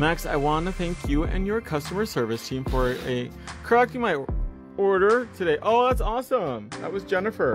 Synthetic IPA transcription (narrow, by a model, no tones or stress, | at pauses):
mæksa̰ɪwɑ̃ntɨθæ̃ŋkʰjɨɨ̰̃njə˞kʰʌstəmə˞sɜ˞vɨstʰĩɱfə˞ɨ | kʰə˞ɛk̚tɨmaɪ | ɔɹɾə˞tʰɨdeɪʔoʊðætsɔsə̃mðə̰t̚wʌzd͡ʒɛnɨfə˞